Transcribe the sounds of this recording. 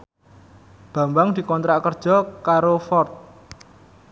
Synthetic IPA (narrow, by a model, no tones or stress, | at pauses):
b̥ä̤mbaŋd̪̥i̤kɔnt̪ɾaʔkərd̥ʒ̥ɔ̤kaɾofɔrt̪̚